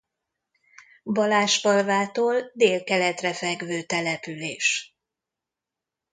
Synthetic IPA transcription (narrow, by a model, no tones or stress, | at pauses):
bɒlaːʃbɒlvaːt̪oːld̪eːlkɛlɛt̪rɛfɛɡvøːt̪ɛlɛpyleːʃ